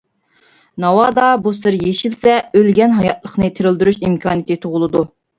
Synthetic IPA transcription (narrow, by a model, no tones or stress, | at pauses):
nɑwɑd̪ɑbusɨɾjeʃilsɛølɡʲɛnɦɑjɑt̪lˠəχnɨt̪ʰeɾɪld̪yɾyʃimkʰɑːnijt̪ʰɨt̪ʰoʁʊlˠɨd̪u